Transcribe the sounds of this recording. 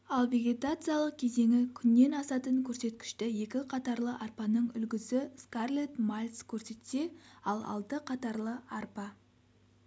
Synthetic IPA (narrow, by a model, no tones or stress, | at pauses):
ɑlˠve̞ɡʲe̞t̪at̪sɨjalˠəq̚kʲʰe̞ze̞ŋʲɪkʲʰʏnːe̞nɑsɑt̪əɴkʲʰɵɾse̞t̪kʲɪ̥ʃt̪ɪje̞kʲɪqʰɑt̪ɑɾlˠəʔɑrpɑnəɴʏ̰lɡʲɪzɪskarlˠet̪malʲskʲʰɵɾse̞t̪se̞ɑlˠɑ̰lˠd̪əqʰɑt̪ɑɾlˠəɑrpɑ